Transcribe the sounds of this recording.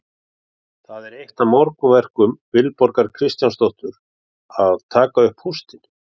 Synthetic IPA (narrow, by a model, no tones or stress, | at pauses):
θaðɛɾejht̪amɔɾkʏvɛr̥kʏmvɪlpɔɾkaɾkʰɾɪst̪janst̪owht̪ʏɾ | aðt̪ʰaːkaʏhphust̪ɪn̥